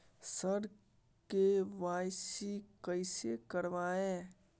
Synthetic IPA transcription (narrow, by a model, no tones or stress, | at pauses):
səɾ | keʋaːjsikəɪsekəɾʋaːẽː